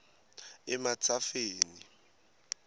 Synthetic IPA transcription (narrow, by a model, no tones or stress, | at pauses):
ɪmat͡sʰʼafeːni